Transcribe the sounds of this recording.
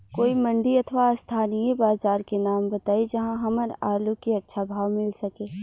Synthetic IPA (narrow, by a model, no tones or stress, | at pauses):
koːimɐ̃ɳɖiɐt̪ʰʋast̪ʰaːnijẽbaːzaːɾkenaːmbɐt̪aːid͡ʒɐɦãɦɐməɾaːlukeɐtːʃʰabʱaːʋmɪlsɐkeː